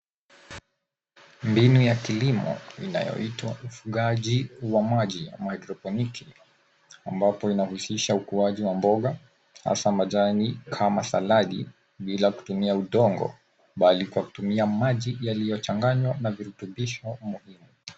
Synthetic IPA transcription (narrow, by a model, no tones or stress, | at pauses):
mbinujakilimɔ̰ina̰jɔ̰itwa̰ufuɠaʄiwamaʄija̰majdɾɔpɔnikʰi | ambapɔinahusiʃaukuaʄiwambɔɠa | ha̰samaʄanikʰamasalaɗḭ | ɓilaku̥tumiauɗɔŋɡɔ̰ | ɓalikwaku̥tumiamaʄijalijɔt͡ʃaŋɡaɲwanaviɾutuɓiʃɔmuhimu